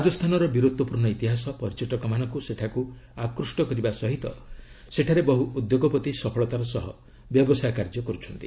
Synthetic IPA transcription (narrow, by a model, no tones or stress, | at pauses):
ɾad͡ʒɔst̪ʰanɔɾɔbiɾud̪wɔpuɾnɔit̪iɦasɔpɔɾt͡ʃɔʈɔkɔmanɔŋkuseʈʰaku | akɾusʈɔkɔɾibasɔɦit̪ɔ̰ | seʈʰaɾebɔɦuud̪joɡɔpɔt̪isɔpʰɔɭɔt̪aɾɔsɔɦɔ | bjɔbɔsajkaɾd͡ʒɔkɔɾut͡ʃʰɔnt̪i̥